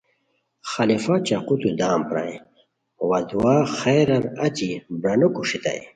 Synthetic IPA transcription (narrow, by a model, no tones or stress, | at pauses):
xɐlifat͡ɕɐqut̪ud̪aːmpɾa̰j | wɐd̪uwaxejɾɐɾɐt͡ɕibɾɐnukuʂit̪a̰j